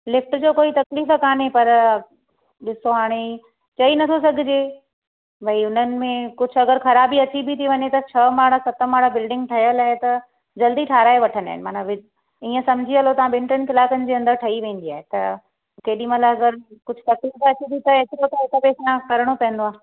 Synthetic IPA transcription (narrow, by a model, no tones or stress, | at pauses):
lɪfʈd͡ʑoːkoːit̪ɐkliːfkaːnepɐɾ | ɗɪsoɦaːɽ̃e | t͡ɕɐinɐt̪ʰosɐɡʱɪd͡ʑeː | bʱɐiʊn̤ənɪ̆mẽkʊd͡ʑʱʰʊɐɡəɾxɐɾaːbiɐt̪ʰibʱit̪ʰiʋɐɲet̪ɐt͡ɕʰɐmaːɽasɐt̪əmaːɽabɪlɖɪ̃ŋɡʈʰɐjəlaːet̪ɐ | d͡ʑɐld̪iʈʰaːɾaːeʋɐʈʰənd̪a̰ːɪnɪmaːnaʋɪ | iːə̃sɐmd͡ʑʱiɐlot̪ɐʋãɓɪ̃ɳʈɾənɪ̆kɪlaːkənɪ̆d͡ʑeːɐ̃nd̪əɾʈʰɐiʋẽːn̆d̪iaːɦet̪ɐ̰ | keːɗĩmalaɐɡəɾkʊd͡ʑʱʰʊ̥̆t̪ɐkliːfɐt͡ɕʰit̪ʰit̪ɐet͡ɕɪɾot̪ɐɦɪk̪əpeːsnakɐɾɽ̃opɐ̃ɦə̃n̆d̪oaːɦ